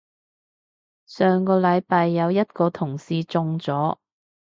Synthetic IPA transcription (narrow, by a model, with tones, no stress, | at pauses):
sœː˨ŋkɔː˧lɐ˨˧jpaː˧jːɐ˨˧wjɐ˥t̚kɔː˧t̪ʰʊ˨˩ŋsiː˧t͡sʊ˧ŋt͡sɔː˨˥